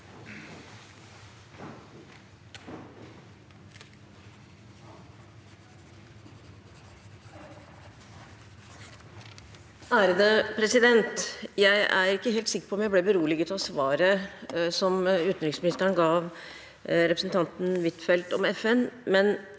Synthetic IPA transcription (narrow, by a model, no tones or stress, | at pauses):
æːɾəd̪əpʰɾɛsɪd̪ɛnt̪jæɪʔæ̰ɾɪkːəɦeːlt̪sɪkːəɾpʰɔmjæɪblɛbəɾuːlɪɡəʉt̪ʰɑsʋɑːɾəsɔmʉːt̪nɾɪŋsmɪnɪst̪əɳəɡɑːʋ | ɾɛpɾəsn̩t̪ʰɑnt̪n̩ʋɪt̪fɛlt̪ɔmɛfɛnmɛn